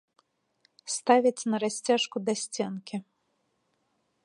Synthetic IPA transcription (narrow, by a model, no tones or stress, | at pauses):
st̪avʲɐt͡sʲnɐɾasʲt͡sʲaʂkud̪asʲt͡sʲɛnkʲi